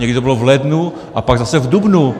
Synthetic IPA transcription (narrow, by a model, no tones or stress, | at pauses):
ɲɛɡɾit̪obilɔvlɛd̪nu | ʔapaɡzasɛvd̪ubnu